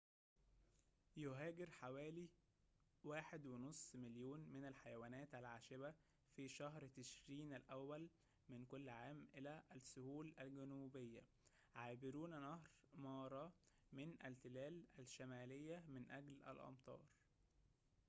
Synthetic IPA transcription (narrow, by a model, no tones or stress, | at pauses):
joɦæːɡɪɾħawæːli | waːħed̪wenosˤːmɪljoːnmɪnælħajæwæːnæːt̪ælʕaːʃɪbæ | fiʃæhɾt̪eʃɾiːnælʔæwːæl | mɪnkolːʕaːmʔɪlæʔæsʊhuːlælɡænuːbejːæ̰ | ʕaːbɪɾuːnænæhɾmɑːɾˤɑ | mɪnʔælt̪ɪlæːlælʃæmæːlejːæmɪnʔæɡlʔæ̰lʔɑ̰mt̪ˤɑ̰ːɾˤ